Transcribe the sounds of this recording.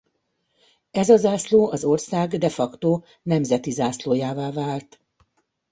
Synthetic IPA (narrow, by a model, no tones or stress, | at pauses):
ɛzɒzaːsloːʔɒzo̞rsaːɡd̪ɛfɒkt̪oː | nɛmzɛt̪izaːsloːjaːvaːvaːlt̪